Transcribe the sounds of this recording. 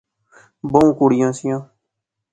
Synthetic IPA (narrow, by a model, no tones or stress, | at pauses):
bəũːkuːɽɪjãːsɪjãː